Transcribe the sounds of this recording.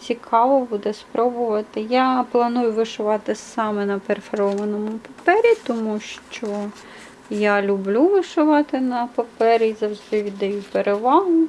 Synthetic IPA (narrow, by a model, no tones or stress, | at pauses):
t͡sʲikʰɑʋɔbud̪ɛspɾɔbʊʋɐt̪ɪjɑplˠɐnujʊʋɪʃʊʋɑt̪ɪsɑmɛnɐpeɾfeɾɔʋɐnɔmʊpɐpɛɾʲit̪ɔmuʃt͡ʃɔ | jɑlʲʊblʲuʋɪʃʊʋɑt̪ɪnɐpɐpɛɾʲizɐwʒd̪ɪʋʲid̪ɛjʊpeɾeʋɑɦʊ